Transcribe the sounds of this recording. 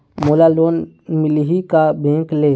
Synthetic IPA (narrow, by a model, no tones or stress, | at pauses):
moːlaloːn | mɪlɦikabʱẽːkleː